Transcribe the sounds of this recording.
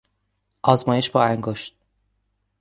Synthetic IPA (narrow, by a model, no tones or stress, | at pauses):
ʔɒːzmɒːjeʃbɒːæŋɡoʃt̪̚